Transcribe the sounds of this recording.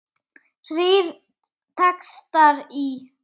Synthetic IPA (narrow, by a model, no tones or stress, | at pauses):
riɾ | t̪ʰɛkst̪aɾi